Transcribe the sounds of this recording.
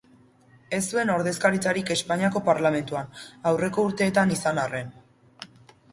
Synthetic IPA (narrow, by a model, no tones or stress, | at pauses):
e̞sue̞no̞ɾðe̞skaɾit͡saɾike̞spaɲiako̞paɾlame̞nt̪uanawre̞ko̞uɾt̪e̞ːt̪anisanare̞n